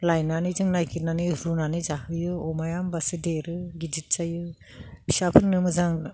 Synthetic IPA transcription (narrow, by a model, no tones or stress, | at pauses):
lajnanizɯŋnajkʰiɾnaniɾunanizahɯjɯɔmajambasɯdeɾɯɡid͡ʒit̚t͡ʃajɯ | bisapʰɯnnːɯmɯzaŋ